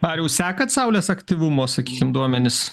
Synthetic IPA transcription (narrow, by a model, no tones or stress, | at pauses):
ɐɾjɛʊsʲæːkɐt̪sɐʊlʲeːsɐkt̪ʲiʋʊmoːsɐkʲiːkʲɪmd̪uɔmʲɛnʲɪs